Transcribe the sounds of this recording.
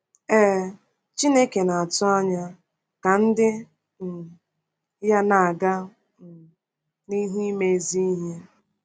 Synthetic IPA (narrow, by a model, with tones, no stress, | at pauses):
eː˦˨ | t͡ʃi˦ne˦ke˨na˨a˨tʊ˦a˦ɲa˦ | ka˨n̩˦dɪ˦ | m̩˨ | ja˦na˨a˨ɡa˦˨ | ni˦ɦi˦me˦˨zi˦i˦ɦe˦